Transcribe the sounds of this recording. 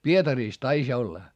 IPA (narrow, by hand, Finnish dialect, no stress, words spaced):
pietɑriːs tɑisʲ olːɑ